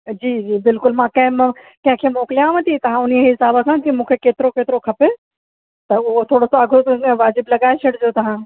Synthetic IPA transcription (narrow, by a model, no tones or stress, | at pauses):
d͡ʑiːd͡ʑiːbɪlkʊlmãːkɐ̃ɦɪ̃m̃ | kɐ̃ɦɪ̃kʰemoːklijãʋɐ̃t̪ʰit̪ɐʋ̤ãʊniɦɪsaːbəkʰãkimũːkʰekeːt̪ɪɾokeːt̪ɾokʰɐpe | t̪ɐʊɦot̪ʰoːɽosoɐɡʱot̪oẽʋaːd͡ʑɪblɐɡaːeʃʰɐɽd͡ʒot̪ɐɦãː